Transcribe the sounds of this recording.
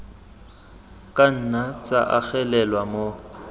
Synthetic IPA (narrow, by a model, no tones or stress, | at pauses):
kʼan̩nat͡sʼa̰ʔak͡xɛlɛlwamo